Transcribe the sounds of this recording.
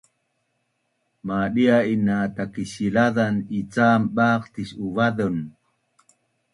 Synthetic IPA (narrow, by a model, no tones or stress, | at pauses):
maːɗiainat̪akiɕilaðanit͡saːmbaːqt̪isuvaðon